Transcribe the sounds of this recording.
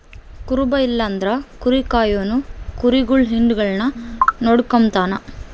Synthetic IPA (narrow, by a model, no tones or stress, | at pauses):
kʊɾʊbɐɪlːɐnd̪ɾɐkʊɾikːaːjoːnukʊɾiɡʊɭɦɪɳɖɯɣɐɭnɐnɔɽɯkːɐmt̪aːnɐ